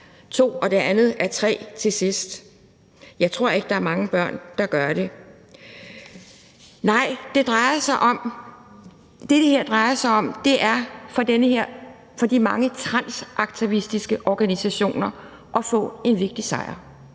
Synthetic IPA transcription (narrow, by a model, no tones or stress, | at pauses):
t͡sʰo̝̰ːɒ̽d̥e̝ʔænð̩ˠæɐt͡sʰʁɛ̰ːt͡sʰe̝sisd̥ | jɑ̈ɪt͡sʰʁo̝ɐ̰e̝ɡ̥əd̥ɑ̈æɐmɑ̈ŋəb̥ɶɐ̰nd̥ɑ̈ɡ̥ɶɐɾ̥e̝ | nɑ̈ɪ̰d̥e̝d̥ʁɑ̈ɪɐsɑɪʔɒ̽m | d̥e̝ɾe̝heɐ̰d̥ʁɑ̈ɪɐsɑ̈ɪɒ̽md̥e̝ʔæɐfɒ̽d̥enəheɐ̰ | fɒ̽d̥imɑ̈ŋət͡sʰʁɑnsʔɑ̈ɡ̥̚t͡sʰiisd̥isɡ̥əʔɒɡ̥ænisæɕo̝̰ːnɐ | ʔɒ̽fɔ̰̽ːe̝nʋe̝ɡ̥̚d̥isɑ̰̈ɪɐ